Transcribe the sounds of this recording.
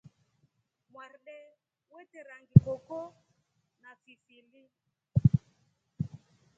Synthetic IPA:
mwarɗɛ | wɛtɛɾaŋɡikɔkɔ | nafifili

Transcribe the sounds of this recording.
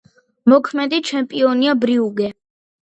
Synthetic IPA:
mɔkʰmɛd̪it͡ʃʰɛmpʼiɔniabɾiuɡɛ

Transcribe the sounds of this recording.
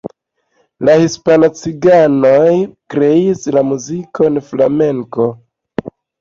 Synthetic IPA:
lahispanot͡siɡano̞jkɾe̞islamuzikʰo̞nflame̞ŋko̞

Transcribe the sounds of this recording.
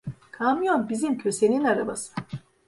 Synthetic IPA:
kʰamjonbizimcʰø̞se̞ninaɾa̰ba̰sɯ̥

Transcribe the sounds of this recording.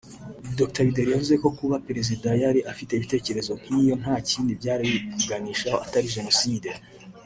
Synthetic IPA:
doku̥taβideɾijavuze̞ko̞kuβapeɾe̞zidajaɾiʔafite̞βite̞ːce̞ɾe̞zo̞m̥iːjo̞n̥haːciːndibɟaːɾiβibuɡaniːʃaʔataɾiʒe̞no̞siːde

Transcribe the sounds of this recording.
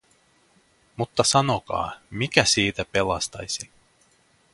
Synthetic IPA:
mut̪ːɑsɑno̞kɑ̰ːmikæsiːt̪æpe̞lɑst̪ɑ̰jsi

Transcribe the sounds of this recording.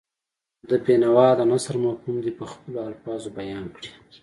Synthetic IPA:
d̪əbenawɑd̪amasaɾmahumd̪ipəxpəloalfɑzobajɑnkɽi̥

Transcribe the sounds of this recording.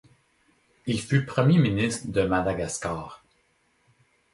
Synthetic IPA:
ilfypχəmjeminist̪χəd̪əmad̪aɡaskaːʁ

